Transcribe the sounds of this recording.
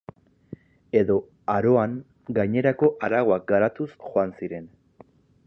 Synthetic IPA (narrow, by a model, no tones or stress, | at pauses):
e̞ðo̞ | aɾo̞aŋ | ɡajɲe̞ɾako̞ʔaɾaɣ̞o̞ak̚ɡaɾat̪usxo̞ansiɾe̞n